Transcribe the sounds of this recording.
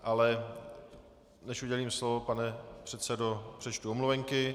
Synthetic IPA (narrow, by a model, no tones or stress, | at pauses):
ʔalɛ | nɛʃuɟɛliːmslovopanɛpr̝̥ɛt̪sɛdopr̝̥ɛt͡ʃt̪uomluvɛŋkɪ